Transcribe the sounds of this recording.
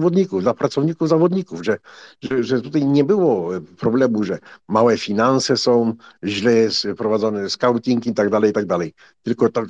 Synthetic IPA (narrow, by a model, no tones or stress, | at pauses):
vɔd̪ɲikuvd̪lapɾatsɔvɲikuvzavɔd̪ɲikuvʐɛʐɛʐɛt̪ut̪ajɲɛbɘwɔpɾɔblɛmuʐɛmawɛfʲinansɛsɔ̃w̃ʑlɛspɾɔvad̪zɔnɛskawt̪ʲiŋkit̪aɡd̪alɛjit̪aɡ̚d̪alɛj | t̪ɘlkɔt̪ɔ